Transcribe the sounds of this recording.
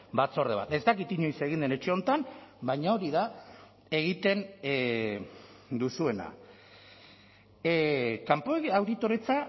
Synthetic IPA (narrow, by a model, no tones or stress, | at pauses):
bat͡so̞re̞β̞a̰t̪e̞zt̪akit̪iɲo̞jse̞ɣind̪e̞ne̞t͡ʃe̞o̞nt̪anbajɲao̞ɾiða | e̞ɣit̪e̞n | d̪usue̞na̰ | kampoawðit̪o̞ɾet͡sa